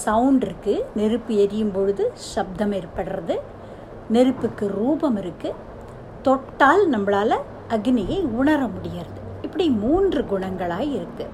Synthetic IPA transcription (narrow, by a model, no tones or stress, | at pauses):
sɐwʊɳɖɪɾɯkːɯnɛɾɯpːɯɛɾɪjɯmpɔɻɯðɯʃɐb̚d̪ɐmɛɾpːɐɽɯɾɐðɯ | nɛɾɯpːɯkːɯɾuːbɐmɪɾɯkːɯ | t̪ɔʈːaːlnɐmːɐɭaːlɐ | ʔɐɡnɪjɐɪʊɳɐɾɐmʊɽɪjaɾɐðɯ | ɪpːɐɽimuːndrɯɡʊɳɐŋɡɐɭaːɣɐɪɾɯkːɯ